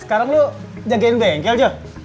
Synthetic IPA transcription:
sə̥kaɾaŋlo | d͡ʒaŋkenbɛŋkɛld͡ʒə

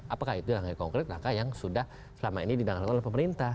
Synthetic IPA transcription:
ʔapakahit̪ulaŋajkɔŋkɾɪt̪̚ɾakajaŋsudah | səlamainidibaŋalknlɛhpəməɾint̪a

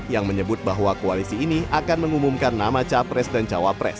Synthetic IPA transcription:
jaŋməɲəbʊt̪̚baɦwakoalisiːniakanməŋumumkanːamat͡ʃapɾɛsdant͡ʃawapɾɛ̰s

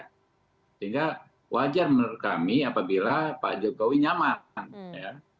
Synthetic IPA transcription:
səiŋɡa | wad͡ʒarmrkamiapabilapa̰d͡ʒokowiɲamanja

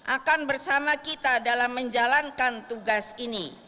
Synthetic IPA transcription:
ʔakanbərsamakit̪adalamːəɲd͡ʒalankant̪uɡasini

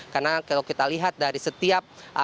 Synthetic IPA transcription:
karnakalawkit̪aliɦat̪̚daɾisət̪iap̚ʔa

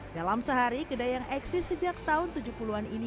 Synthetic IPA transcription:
dalamsəɦaɾikədajaŋɛksɪsəd͡ʒak̚t̪aɦʊnt̪ud͡ʒuhpuluanini

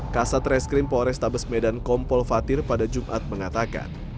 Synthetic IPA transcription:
kasat̪rɛskɾɪmpɔɾɛst̪abəsmɛdankɔmpɔlfat̪ɪrpadad͡ʒumʔa̰t̪̚məŋat̪aka̰n

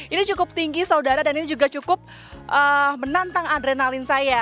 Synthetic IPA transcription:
init͡ʃukʊp̚t̪iŋɡisaudaɾadaninid͡ʒuɡat͡ʃukʊp̚ | ʔəmənant̪aŋadɾenalɪnsaja

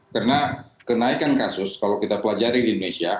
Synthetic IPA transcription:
kərnakənaikankasʊskalawkit̪apəlad͡ʒaɾidiindonesia

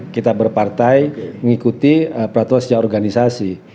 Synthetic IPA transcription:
kit̪abərpart̪ajməŋikut̪ipəɾat̪uansə̥d͡ʒaaɔrɡanisasi

